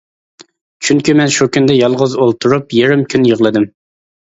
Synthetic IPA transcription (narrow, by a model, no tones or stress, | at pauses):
t͡ʃʰyŋkʲymɛnʃukʲynd̪ɛjɑlˠʁəzolˠt̪ʰuɾupjeɾɪmkʲʰynjəʁlˠɨd̪ɪm